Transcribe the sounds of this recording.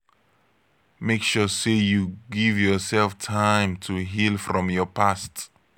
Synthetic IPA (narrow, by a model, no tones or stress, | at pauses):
mekʃusejuɡɪvjɔsɛlˠftʰãɪ̃mtʰuɦilˠfɹɔ̃mjɔpʰast